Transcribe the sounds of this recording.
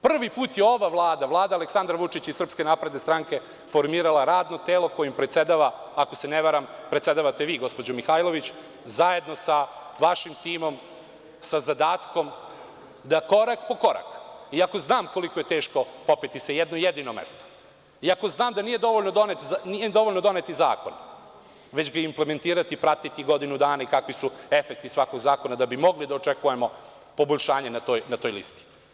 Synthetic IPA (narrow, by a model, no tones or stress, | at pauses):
pr̩ʋipuːt̪jeo̞ʋaʋlˠaːd̪aʋlˠaːd̪aːleksand̪ɾaʋut͡ʂit͡ɕisɾr̩pske̞naːpɾe̞d̪ne̞st̪ɾaŋke̞ | fo̞ɾmiːɾalˠaɾaːd̪no̞t̪eːlo̞ko̞jimpɾet̪sed̪aʋa | akoseneʋaɾampɾet̪se̞d̪aʋat̪e̞ʋiːɡo̞spo̞d͡ʑomixajlo̞ʋit͡ɕ | zaje̞d̪no̞saʋaʃimt̪iːmo̞m | sazad̪aːt̪ko̞m | d̪ako̞ɾakpo̞ko̞ɾa̰kiako̞znaːmko̞liko̞jet̪e̞ːʃko̞popit̪isejed̪noijed̪iːnomḛst̪o̥ | iako̞znaːmd̪aniːje̞d̪o̞ʋoʎʲnod̪o̞net̪zanijed̪o̞ʋoʎʲnod̪o̞net̪iza̰ːkon | ʋet͡ɕɡaimpleme̞nt̪iːɾat̪ipɾat̪it̪iɡo̞d̪inud̪aːnaikakʋisue̞fek̚t̪isʋako̞ɡzaːko̞nad̪abimo̞ɡlid̪aot͡ʃekujemo̞ | po̞bo̞ʎʲʃaːɲenat̪oːjnat̪oːjlḭst̪i̥